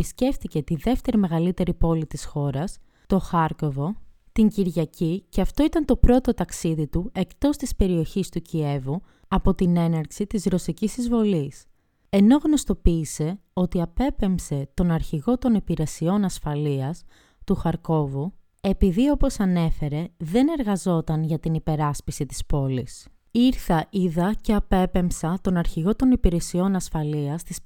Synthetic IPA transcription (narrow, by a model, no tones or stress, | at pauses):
isce̞fθice̞t̪iðe̞ft̪e̞ɾime̞ɣɐlit̪e̞ɾipo̞lit̪isxo̞ɾɐs | t̪o̞xɐɾko̞vo̞ | t̪iɲɟiɾʝɐciceɐft̪o̞it̪ɐnt̪o̞pɾo̞t̪o̞t̪ɐksiðit̪ue̞kt̪o̞st̪ispe̞ɾio̞çist̪ucie̞vu | ɐpo̞t̪ine̞nɐɾksit̪izɾo̞sicisizvo̞lis | e̞no̞ɣno̞st̪o̞piːse̞o̞t̪iɐpe̞pe̞mpse̞t̪o̞nɐɾçiɣo̞t̪o̞nipiɾe̞sio̞nɐsfɐliɐs | t̪uxɐɾko̞vu | e̞piðio̞po̞sɐne̞fe̞ɾe̞ðe̞ne̞ɾɣɐzo̞t̪ɐnʝɐt̪inipe̞ɾɐspisit̪i̥spo̞lis | iɾθɐʔiðɐce̞ɐpe̞pe̞msɐt̪o̞nɐɾçiɣo̞t̪o̞nipiɾe̞sio̞nɐsfɐliɐst̪is